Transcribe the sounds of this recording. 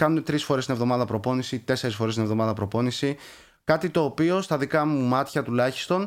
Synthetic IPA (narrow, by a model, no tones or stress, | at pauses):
kɐnune̞t̪ɾisfo̞ɾest̪ine̞vðo̞mɐðɐpɾo̞po̞nisit̪e̞se̞ɾisfo̞ɾest̪ine̞vðo̞mɐðɐpɾo̞po̞nisi | kɐt̪it̪o̞ːpio̞st̪ɐðikɐmumɐt̪çɐt̪ulɐçi̥st̪o̞n